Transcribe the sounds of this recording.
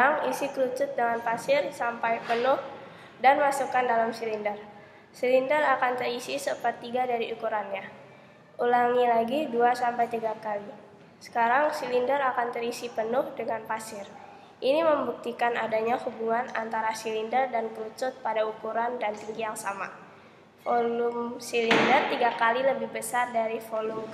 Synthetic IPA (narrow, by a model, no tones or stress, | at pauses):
aŋisikəɾut͡ʃʊt̪̚dəŋanpasɪrsampajpənʊh | danmasukandalamsilindər | silindərakant̪əɾisisəpat̪ːiɡadaɾiukuɾanɲa | ʔulaŋilaɡiduasampajt̪iɡakali | sə̥kaɾaŋsilindəɾakant̪əɾisipənʊhdəŋanpasɪr | ʔiniməmbuk̚t̪ikanadaɲahubuŋanant̪aɾasilindərdankəlut͡ʃʊt̪̚padaukuɾandant̪iŋɡijaŋsama̰ | folumsilindərt̪iɡakaliləbɪhbəsardaɾifolum